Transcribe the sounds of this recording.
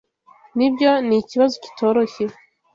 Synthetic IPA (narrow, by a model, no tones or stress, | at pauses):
nibjo̞niciβazoci̥tʰo̞ːɾoçe